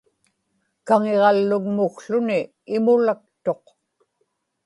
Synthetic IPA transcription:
kaŋe̞ʁɑlːʊɣmʊkɬʊniː | mʊlak̚t̪o̞q

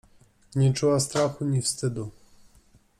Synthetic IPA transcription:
ɲɛt͡ʂuwast̪ɾaxuɲifst̪ɘd̪u

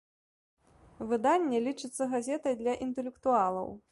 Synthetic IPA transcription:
vɨd̪anʲːɛlʲit͡ʂɨt̪sːɐɣazʲɛt̪ɐjd̪lʲɐʔint̪ɛlʲɛkt̪ualˠɐ̰w

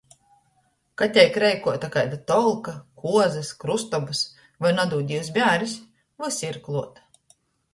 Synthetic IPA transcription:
kat̪ʲɛjkɾɛjkuɔt̪akajd̪at̪ɔlˠkakuɔzɐskɾust̪ɔbɨs | vajnad̪uːd̪ʲiws̬bʲæːɾʲis | vajsʲiɾklˠuɔt̪

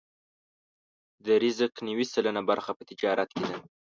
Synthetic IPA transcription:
d̪əɾɪzəqniwisələnabaɾxapə̥t̪ɪd͡ʒɑɾat̪ked̪a

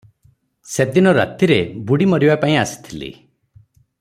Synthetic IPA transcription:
sed̪inɔɾa̰t̪iɾebuɽimɔɾibapaĩasi̥t̪ʰilḭ

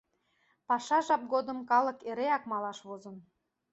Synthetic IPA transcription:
pɑʃɑʒɑp̚ɡod̪əmkɑlə̆keɾeɑkmɑlɑʃβozən

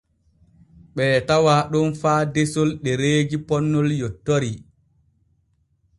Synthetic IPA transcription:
ɓɛːtawaɗɔnfaːdesɔlɗɛɾeːɡipɔnːɔljɔtːoɾi

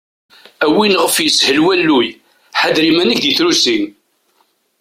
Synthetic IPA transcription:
æwinəʁəfjəshəlwælːuj | ħad̪ɾimænəçd̪iθɾusin

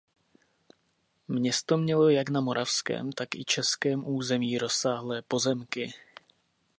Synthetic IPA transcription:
mɲɛst̪o̞mɲɛlo̞jaknamo̞ɾʔafskɛ̰ːmt̪akɪ̰t͡ʃɛskɛːmʔuːzɛmiːɾo̞saːɦlɛːpo̞zɛmkɪ

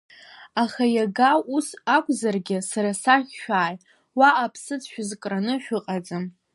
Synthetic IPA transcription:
aχajaɡaʔusakʷʼzarɡʲɪsaɾasaχʲʃᶣaːj | waʔːpʰsɨt͡sʰʃᶣʊzkʼranɨʃʷᶣʊqʼad͡zɨm

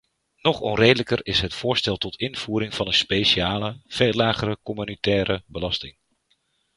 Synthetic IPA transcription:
nɔχɔ̰nrejdələkərɪsɦətfʊːɹstɛlˠtɔtʰɪnv̥uːɾɪŋv̥ɑnənspejʃaːləv̥elaːχəɾəkɔmynitɛːɾəbəlɑstɪŋ

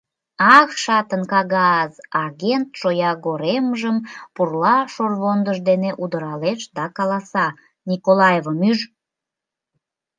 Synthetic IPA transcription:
ɑkʃɑt̪ənkɑɣɑzɑɣent̪ʃojɑɣoɾeməʒəmpurlɑʃorβond̪əʒd̪eneʔud̪əɾɑleʃd̪ɑkɑlɑsɑ | nʲikolɑjevəmyʒ

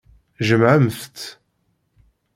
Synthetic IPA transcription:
ʒəmʕəmθt̪

